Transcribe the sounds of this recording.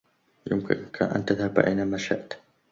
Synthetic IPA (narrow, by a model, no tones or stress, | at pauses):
jʊmkɪ̰nkʰaʔa̰nt̪aðhabʕa̰jnaːmaʃa̰ʔt̪